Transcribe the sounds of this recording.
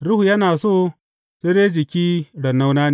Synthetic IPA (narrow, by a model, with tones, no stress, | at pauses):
ɾʊ˦hu˨jɐ˦naː˨soː˦˨ | seː˦deː˦d͡ʒɪ˨kʲiː˦ɽɐ˨nːa˦wnaː˦ne˨